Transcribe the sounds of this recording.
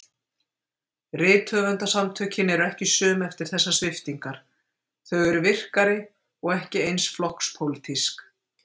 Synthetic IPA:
rɪːt̪ʰœːvʏnt̪asamt̪ʰœcɪnɛɾɛhcɪsœːmɛft̪ɪɾ̥θɛsːast̪ɪft̪iŋkaɾ̥ | θœɥɣɛɾʏvɪr̥kaɾɪ | ɔɣɛhcɪejnsflɔhkspʰowlɪt̪ʰisk

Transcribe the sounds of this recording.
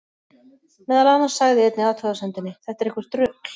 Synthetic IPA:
mɛːðalanːḁsaɣðɪɛjt̪nɪaːwt̪ʰœðasɛnt̪ɪnːɪθɛht̪aɾehkvʏ̥t̪ɾʏːkl̥

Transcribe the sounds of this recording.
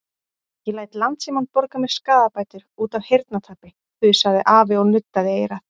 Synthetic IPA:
jɛlaːjt̪lant̪simant̪̚pɔɾkamɛð̥skaːðapaːjt̪ʏɾ̥uːt̪avhejɾt̪nat̪ʰaːpɪ | θʏðsaðɪʔaːvɪɔɣnʏt̪ːaðɪejɾaθ

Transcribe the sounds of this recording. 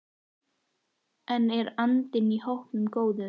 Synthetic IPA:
ɛnɛɾant̪ɪnihowhpnʏmkoːwðʏ

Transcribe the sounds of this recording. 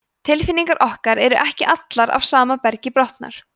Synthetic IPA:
t̪ʰɪlfɪniŋkaɾʔɔhkaɾɛɾʏʔɛhcɪʔat̪laɾa̰vsaːmapɛɾcɪpɾɔht̪na̰ɾ̥

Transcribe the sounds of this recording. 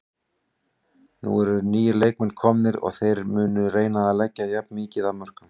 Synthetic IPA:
nṵɛɾʏniːjʏleːjk̚mɛnkʰɔmnɪɾɔ̰ɣθejɾmʏːnʏreːjnaðalɛcːajap̚nmiːcɪðamœr̥kʏm

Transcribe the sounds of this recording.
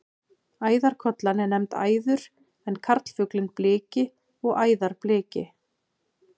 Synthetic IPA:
aːjðaɾ̥kʰɔt̪lanːɪnɛmt̪a̰ːjðʏɾ̥ | ɛnkʰaɾt̪l̥fʏklɪnplɪːcɪ | ɔɣaːjðaɾ̥plɪːcɪ̰

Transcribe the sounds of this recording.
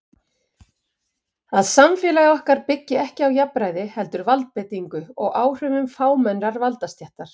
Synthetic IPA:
aðsamfɛːlaɣɔhkaɾpɪcːɪɛhcɪawjapːɾajðɪhɛlt̪ʏɾvalt̪̚pɛt̪iŋkʏɔɣaːwr̥ʏvʏmfaːwmɛnɾaɾvalt̪ast̪jɛht̪aɾ̥

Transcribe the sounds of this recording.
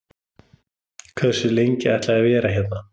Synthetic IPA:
kʰvɛð̥sʏlejɲcɪɛht̪laavɛːɾaçjɛt̪na

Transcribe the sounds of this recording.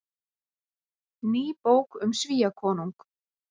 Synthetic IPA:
niːpowkʏmsviːjakʰɔːnuŋk

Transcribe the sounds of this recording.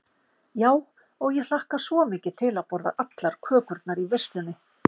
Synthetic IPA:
jaːw | ɔɣjɛl̥ahkasvɔmɪːcɪ̥t̪ʰɪlaðpɔɾða̰ʔat̪laɾ̥kʰœːkʏɾt̪̚naɾiver̥st̪lʏnːɪ

